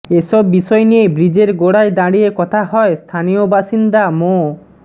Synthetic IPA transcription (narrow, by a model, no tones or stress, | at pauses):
esɔbːisɔjenijebɾid͡ʑeɾɡoɽajd̪aɽiekɔt̪ʰaɦɔest̪ʰaniobaʃind̪amo